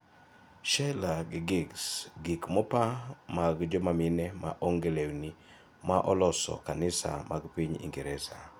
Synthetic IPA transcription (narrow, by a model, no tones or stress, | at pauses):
ʃɛlaɡɪɡɪɡsɡikmɔpamaɡd͡ʒɔmaminɛma̰ʔɔŋɡelewni | maʔɔlɔsɔ̰kanɪsa̰maɡpiɲḭŋɡiɾɛsa